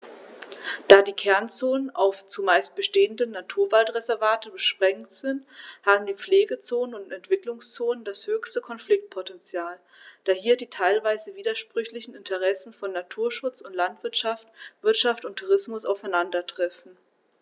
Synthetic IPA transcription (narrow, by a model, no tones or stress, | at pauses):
d̥aːdiːkʰɛɐnt͡soːnənʔa̰ʊft͡sumaɪst̚b̥əʃteːəndənnatʰuːɐvaltʁezɛɐvaːtəbəʃpʁ̥ɛŋktz̥ɪnthaːbm̩diːp͡fleːɡət͡soːnənʊntɛntv̥ɪklʊŋst͡soːnənd̥ashøːçstəkʰɔnflɪk̚t̚pʰotɛnt͡sjaːl | d̥aːhiːɐdiːtʰaɪlvaɪzəviːdɐʃpʁ̥ʏçlɪçn̩ɪntʰəʁ̞ɛsn̩fɔnːatʰuːɐʃʊt͡sʊntlantv̥ɪɐtʃaftv̥ɪɐtʃaftʊntʰːuʁ̞ɪsmʊsaʊfaɪnandɐtʁ̥ɛfn̩